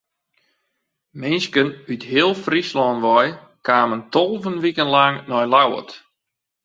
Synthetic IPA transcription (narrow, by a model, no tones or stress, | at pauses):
mɪnskənytɦɪəlˠfrislɔnʋɔj | kaːməntolˠvənʋikənlaŋnɔjlawə̰t